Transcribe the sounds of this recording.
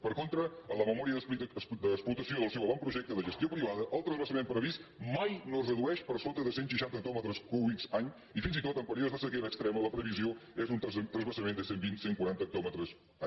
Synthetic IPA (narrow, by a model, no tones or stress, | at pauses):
pəɾkont̪ɾəələməmɔɾiəðd̪əsplut̪əsioðəlˠsɛwβɔmpɾuʒɛk̚t̪əðəʒəst̪jopɾiβaðəʔəlˠt̪ɾəzβəsəmẽnpɾəβismajnorəðuɛʃpəɾsot̪əðəsenʃiʃant̪ək̚t̪ɔmət̪ɾəskuβikzaɲ | ifinzit̪ot̪əmpəɾiozðəsəkeɾəkst̪ɾɛmələpɾəβizioezunt̪t̪ɾəzβəsəmend̪əsembinseŋkwuaɾant̪ək̚t̪ɔmət̪ɾəs